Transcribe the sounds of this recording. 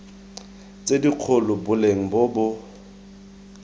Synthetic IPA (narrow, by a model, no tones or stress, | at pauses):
t͡sʼediq͡χʰʊlʊbʊleŋ̩bʊbʊ